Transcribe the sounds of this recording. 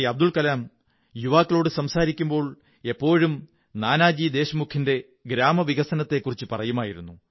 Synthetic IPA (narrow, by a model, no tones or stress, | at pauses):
ɐb̚d̪ulkɐlaːm | juʋaːkːɐɭoːɽɨsɐmsaːɾikʲːumbo̞ːɭ | e̞pːo̞ːɻum | naːnaːd͡ʑiːd̪e̞ːɕɐmukʰːinde̞ | ɡɾaːmɐʋiɣɐsɐnɐt̪ːe̞kːurit͡ɕːɨpɐrɐjumaːjiɾunːu